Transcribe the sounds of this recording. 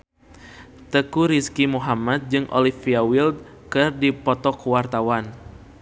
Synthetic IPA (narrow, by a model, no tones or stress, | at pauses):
t̪əkuɾiskimuɦamat̪̚d͡ʒɨŋʔo̰lifiawild̪̚kɨrdipɔt̪ɔkwart̪awan